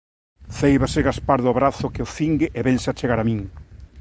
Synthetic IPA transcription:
θejβasɪɣaspaɾðʊβɾaθʊkeoθiŋɡɪʔeβɛŋsat͡ʃeɣaɾamĩŋ

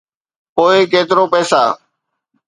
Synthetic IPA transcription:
poːɪkeːt̪ɪɾoːpɛːsa̰ː

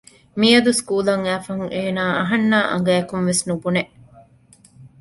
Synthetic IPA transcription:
miɐd̪uskuːlɐŋæːfɐɦuŋʔeːnaːʔɐɦɐnːaːʔɐ̰ŋ̆ɡæːjɐkunʋesnubuneʔ

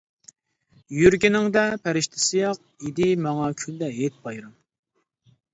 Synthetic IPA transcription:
jyɾɡʲinɪŋd̪ɛpʰæɾɪʃt̪ʰɪ̥sɪjɑq̚id̪ɪmɑŋɑkʲʰyld̪ɛɦet̪̚bɑjɾɑm

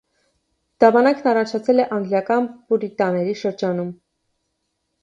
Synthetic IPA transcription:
d̪̥ɑbɑnɑkʰnɑrɑt͡ʃʰɑt͡sʰɛlɛʔɑŋɡljɑkɑnpuɾit̪ɑnɛɾiʃəɾd͡ʒɑnum

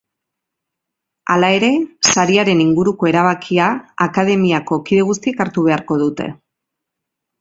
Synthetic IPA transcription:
alae̞ɾe̞saɾiaɾe̞niŋɡuɾuko̞e̞ɾaβ̞akʰiaakað̞e̞miako̞kiðe̞ɣ̞ust̪ikaɾt̪uβ̞e̞aɾko̞ðut̪e̞̰

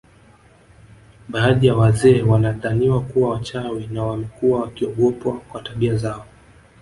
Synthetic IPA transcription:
ɓaːðijawazɛːwanaðaniwakuwawat͡ʃawinawamɛkuwawakiɔɠɔpwakwataɓiazaɔ

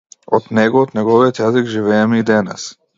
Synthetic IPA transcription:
ɔt̪nɛɡɔːt̪nʲɛɡɔviɔt̪jazikʒivɛːmɛid̪ɛnɛ̰s

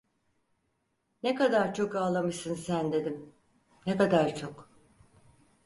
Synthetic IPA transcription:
nekad̪aɾt͡ʃʰo̞kaːlˠamɯʃsɯnsænd̪e̞d̪im | nekad̪aɾt͡ʃʰok

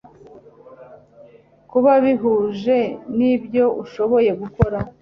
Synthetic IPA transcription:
kuβaβiɦuːʒe̞nibjo̞ʔuʃo̞βo̞je̞ɡuko̞ɾa

